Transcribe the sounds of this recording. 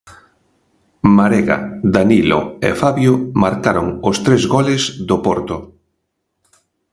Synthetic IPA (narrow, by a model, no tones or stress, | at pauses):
maɾeɣa̰d̪anilo̰ḛfaβjomaɾkaɾoŋost̪ɾezɣɔlezðopɔɾt̪ʊ